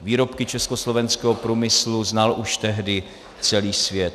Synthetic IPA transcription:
viːɾo̞pkɪt͡ʃɛskoslovɛnskɛːɦopɾuːmɪsluznalʔuʃt̪ɛɦdɪ | t͡sɛliːsvjɛt̪

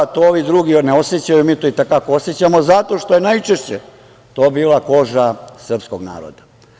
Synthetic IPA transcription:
t̪ooʋid̪ɾuɡioneo̞set͡ɕajumiːt̪oit̪ekakooset͡ɕamo̞zat̪o̞ʂt̪o̞jenajt͡ʂeʃt͡ɕe | t̪oːbiːlˠako̞ʒasr̩psko̞ɡna̰ːɾo̰d̪a

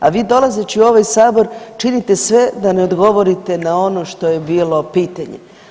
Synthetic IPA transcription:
aʋiːd̪o̞lˠazet͡ɕiuo̞ʋajsaːbo̞ɾt͡ʃinit̪e̞sʋe̞d̪ane̞o̞d̪ɡo̞ʋo̞ɾit̪e̞nao̞noʃt̪o̞je̞biːlo̞piːt̪aɲḛ

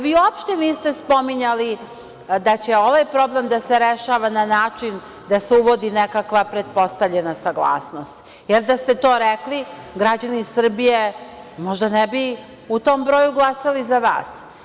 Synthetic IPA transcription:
ʋiːuopʃt̪eniːst̪espo̞miɲali | d̪at͡ɕe̞o̞ʋajpɾo̞ble̞md̪aseɾeʃaːʋananaːt͡ʃin | d̪aseuʋo̞d̪inekakʋapɾe̞t̪̚po̞st̪avʎenasaɡlˠa̰ːsno̞st̪ | jeɾd̪ast̪e̞t̪o̞ːɾekli | ɡɾad͡ʑanisr̩bije | mo̞ʒd̪anɛbi | ut̪o̞ːmbɾojuɡlˠasalizaʋa̰ːs

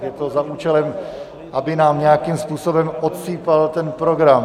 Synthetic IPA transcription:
jɛt̪o̞zaʔuːt͡ʃɛlɛm | ʔabɪnaːmɲɛjakimspuːso̞bɛmʔot̪siːpalt̪ɛnpɾo̞ɡɾam

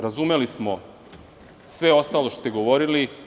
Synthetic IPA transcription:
ɾazume̞lismo̞ | sʋe̞o̞st̪aloʃt̪o̥t̪eɡo̞ʋo̞ɾili

